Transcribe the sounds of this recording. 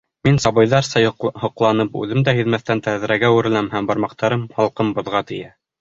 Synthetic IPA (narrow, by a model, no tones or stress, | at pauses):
minsɑβɤ̆jðɑɾsɑhŏqlˠɑnɤpʉ̰ðɘmd̪æhiðmæθt̪ænt̪æð̆ɾæɡæʉɾɘ̆læmhæmbɑɾmɑq̚t̪ɑɾɤmhɑlˠqɤmbŏðʁɑt̪ɘ̆jæ